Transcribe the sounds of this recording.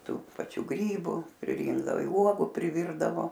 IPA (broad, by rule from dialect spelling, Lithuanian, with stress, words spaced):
ˈtuː pɐˈt͡ʃʲuː ˈɡrʲiːbʊ pʲrʲɪˈrʲiːŋɡdɐʋoː ɪ ˈuɔɡʊ pʲrʲɪˈʋʲiːrdɐʋoː